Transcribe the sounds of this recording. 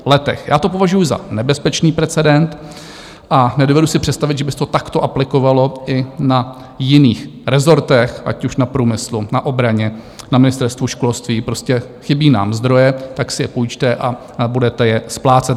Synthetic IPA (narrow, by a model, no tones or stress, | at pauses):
lɛt̪ɛ̰xjaːt̪o̞po̞vaʒujʊza̰nɛbɛspɛt͡ʃniːpɾɛt͡sɛdɛnt̪ | ʔanɛdovɛdusɪpr̝̥ɛt̪st̪avɪd̪ʒɛbɪst̪ot̪akt̪o̞ʔaplɪko̞valo̞ʔɪna | jɪniːxɾɛzo̞ɾt̪ɛxʔa̰cuʃnapɾuːmɪslunaʔo̞bɾaɲɛ | namɪnɪst̪ɛɾst̪vuʃkolst̪viːpɾo̞scɛ | xɪbiːna̰ːmzd̪ɾo̞jɛt̪aksɪjɛpujt͡ʃt̪ɛʔa | budɛt̪ɛjɛsplaːt͡sɛt̪